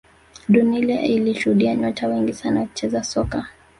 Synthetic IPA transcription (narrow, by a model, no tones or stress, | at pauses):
ɗunilɛ̰iliʃuhuɗiaɲɔtʰawɛŋɡisanawaku̥t͡ʃɛzasɔka